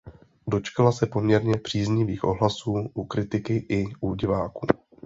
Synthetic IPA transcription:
do̞t͡ʃkalasɛpo̞mɲɛɾɲɛpr̝̥iːzɲɪviːxʔo̞ɦlasuːʔukɾɪt̪ɪkɪʔɪʔuɟɪvaːkuː

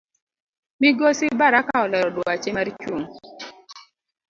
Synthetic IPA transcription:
miɡosɪbaɾakaɔlɛɾɔdwoat͡ʃemaɾt͡ʃwuŋ

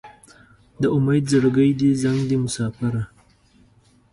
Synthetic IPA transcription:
d̪əʊmajd̪zəɽɡəjd̪izaŋɡd̪imʊsɑːfaɾa

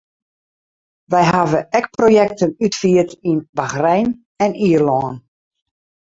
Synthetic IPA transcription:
ʋɛjɦavəʔɛk̚projɛk̚tənytfiətinbaxrɛjn | ɛniərlɔːn

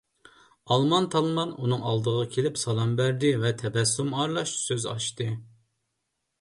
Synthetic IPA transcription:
ɑlˠmɑnt̪ʰɑlˠmɑnunɨŋɑlˠd̪əʁɑkʲʰelɪpsɑlˠɑmbæɾd̪ɪvɛt̪ʰɛbɛsːumɑɾlˠɑʃsøzɑ̰ʃt̪ɨ

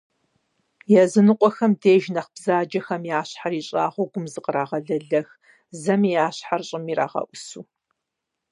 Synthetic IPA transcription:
jɛzɨnɨqʷɔxɐmdeːʒnɐχb̥zaːd͡ʒɐxɐmjaːɕħariːɕʼaːʁʷʊɡʷʊmzɨqəɾaːʁɐɮɐɮɐx | zɐmijaːɕħarɕʼɪmiːɾa̰ːʁɐ̰ʔʷʊsuː

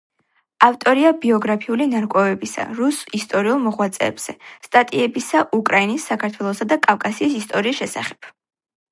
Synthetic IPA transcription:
aft̪ʼɔɾiabiɔɡɾapʰiulinaɾkʼwɛvɛbisa̰ɾusist̪ʼɔɾiulˠmɔʁwat̪sʼɛ̰ːbz̥ɛst̪ʼat̪ʼiɛbisaʔukʼɾainisːakʰaɾt̪ʰwɛlˠɔsad̪akʼafkʼasiːsist̪ʼɔɾiːsʃɛsa̰χɛ̥b̥

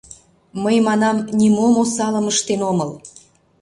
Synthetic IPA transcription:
məjmɑnɑmnʲimomosɑləməʃt̪enoməl

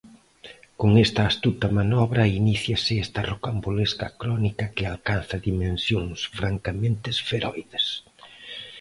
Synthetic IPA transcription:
koŋɛst̪ɐːst̪ut̪ɐmanɔβɾɐiniθjɐsɪɛst̪ɐrokamboleskɐ̰kɾɔnikɐkɪalkan̟θɐðimẽnsjoŋsfɾaŋkamẽnt̪ɪsfeɾɔjðes

